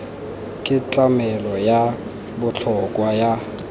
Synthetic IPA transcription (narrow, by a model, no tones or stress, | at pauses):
kʼɪt͡ɬʼamɛlɔja | bʊt͡ɬʰɔkʼwaja